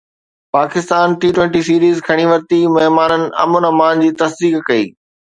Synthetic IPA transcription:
paːkɪst̪aːnʈiːʈwẽɳʈisiːɾiːzkʰɐɽ̃iʋɐɾt̪imɐɦmaːnənɪ̆ɐ̰mʊnɐmaːnd͡ʑiːt̪ɐsd̪iːkkɐḭː

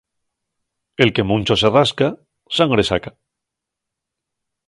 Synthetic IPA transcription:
e̞lke̞mũnt͡ʃoseraska | saŋɡɾe̞sa̰ka

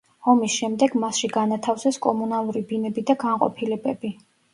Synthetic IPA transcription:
hɔmisʃɛmd̪ɛɡmasʃiɡanat̪ʰafsɛskʼɔmunalˠuɾibinɛbid̪aɡaɴqʼɔ̰pʰilɛbɛbi

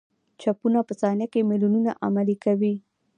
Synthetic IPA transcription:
t͡ʃapunapəsɑnjakemɪlununaʔamalikawi

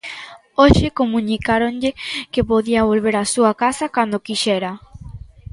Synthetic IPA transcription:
oʃɪkomũɲikaɾonʎekepoðiaβolβeɾasuakasakand̪okiʃɛɾa

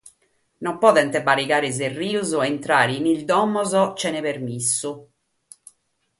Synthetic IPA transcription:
nɔmpɔðɛnt̪ebaɾikaːɾez̬erːiːuzuɛnt̪ɾaːɾinild̪ɔmːɔzɔt͡ʃɛnepermisːu

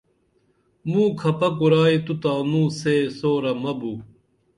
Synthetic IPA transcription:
mũːkʰɐpɐkuɾaːit̪ut̪aːnũːseːsoːɾɐmɐbu

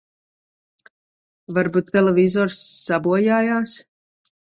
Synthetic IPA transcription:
vaɾbut̪ːɛlˠɛvizɔɾsːabuɔjaːjaːs

